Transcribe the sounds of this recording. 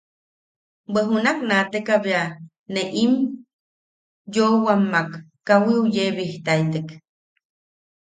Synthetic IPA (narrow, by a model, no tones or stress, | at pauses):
bəɦunaknat̪ekaβea | neʔim | jowamːakː | awiujeβiht̪ajt̪ek